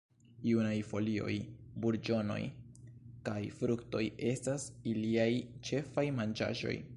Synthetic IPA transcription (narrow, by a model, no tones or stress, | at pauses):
iunajfo̞lio̞̰jbuɾd͡ʒo̞no̞̰j | kajfɾukto̞je̞stasiliajt͡ʃe̞fajmand͡ʒa̰ʒo̞̰j